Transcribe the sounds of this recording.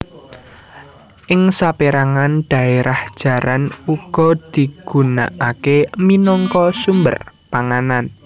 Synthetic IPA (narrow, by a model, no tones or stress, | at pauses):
ʔɪŋsapeɾaŋanɖ̥a̤eɾahd̥ʒ̥ä̤ɾanuɡ̥ɔ̤d̪̥i̤ɡ̥ṳna̰ʔakeminɔŋkɔsumbə̰rpaŋanan